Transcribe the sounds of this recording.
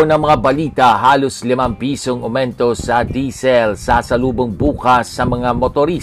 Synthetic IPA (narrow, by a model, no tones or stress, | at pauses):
onɐŋmɐŋabɐliːt̪ɐɦaːloslɪmampiːsoŋomɛnt̪o̞sɐd̪iːsɛlsɐsɐluːboŋbuːkɐsːɐmɐŋamot̪oɾi